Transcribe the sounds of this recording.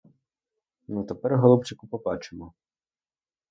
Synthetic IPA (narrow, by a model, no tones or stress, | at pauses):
nut̪epɛɾɦɔlˠɔpt͡ʃɪkʊpɔbɑt͡ʃemɔ